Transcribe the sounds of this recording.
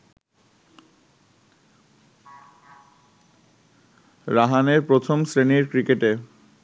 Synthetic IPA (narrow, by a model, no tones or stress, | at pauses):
ɾaɦaneɾpɾot̪ʰomsɾeniɾkɾikeʈe